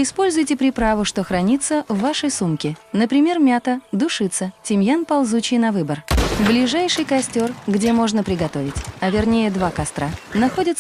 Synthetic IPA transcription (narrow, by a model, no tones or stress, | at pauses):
ɪspo̞lʲzʊjtʲɪpɾʲɪpɾavʊʂt̪o̞xɾɐnʲit̪sːəvːaʂəjsumkʲɪnəpɾʲɪmʲermʲat̪əd̪ʊʂɨt̪sətʲɪmʲjanpɐlˠzut͡ɕɪjnɐvɨbərblʲɪʐajʂɨjkɐsʲtʲo̞rɡdʲe̞mo̞ʐnəpɾʲɪɡɐt̪o̞vʲɪtʲɐvʲɪrnʲejəd̪vakɐst̪ɾanɐxo̞dʲɪt̪s